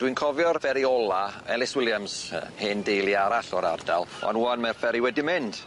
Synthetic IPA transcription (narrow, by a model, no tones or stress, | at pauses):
d̥winkʰɔvjɔrvɛɾiɔlˠaɛlˠɪswɪlˠjamsə̰heːndejlˠiaɾaɬɔɾardalˠɔ̰nuanmarfɛɾiwɛdimɪnd̥